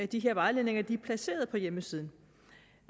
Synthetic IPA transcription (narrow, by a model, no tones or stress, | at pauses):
æd̥iɦe̝ɐʋɑ̈ɪle̝ne̝ŋɐd̥iæpʰlæse̝̰ːɐð̞̩ˠpʰɒ̽jeməsiːð̞ˠn̩